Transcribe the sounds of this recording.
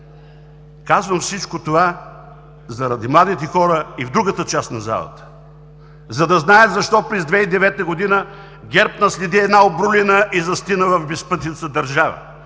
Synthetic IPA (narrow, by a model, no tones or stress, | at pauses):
kazvɐmfsit͡ʃkot̪ova | zɐɾɐd̪imlˠad̪it̪ɛxɔɾəivd̪ɾuɡət̪ət͡ʃast̪nɐza̰lˠə̰t̪ə̥ | zɐd̪ɐznaɛd̪zɐʃt̪ɔpɾɛzd̪vɛid̪ɛvɛt̪əɡod̪inə | ɡʲɛɾpnɐslʲɛd̪iɛd̪naobɾulʲɛnəʔizɐst̪inəvɐvbɛspət̪nit̪səd̪ɐɾʒavə̰